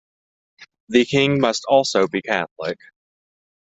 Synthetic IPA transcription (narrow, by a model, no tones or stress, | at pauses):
ðɨkʰɪ̃ŋmʌstʰɔlˠsoʊbikʰæθlˠɪk